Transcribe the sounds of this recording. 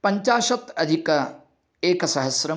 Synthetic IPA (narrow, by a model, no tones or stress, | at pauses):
pɐɲt͡ʃaːʃɐt̪ɐd̪ʱikɐ | eːkɐsɐɦɐsɾɐ